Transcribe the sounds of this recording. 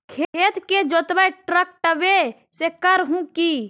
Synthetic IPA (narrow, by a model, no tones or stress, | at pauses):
kʰeeːt̪ked͡ʒoːt̪ʋəʈɾək̚ʈəʋe | sekəɾɦũki